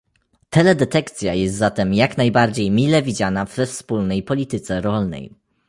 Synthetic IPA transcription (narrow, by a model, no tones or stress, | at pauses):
t̪ɛlɛd̪ɛt̪ɛkt̪sʲjajɛst̪zat̪ɛmjaknajbaɾd͡ʑejmʲilɛvʲid͡ʑanavːɛfspulnɛjpɔlʲit̪ɘt̪sɛɾɔlnɛ̰j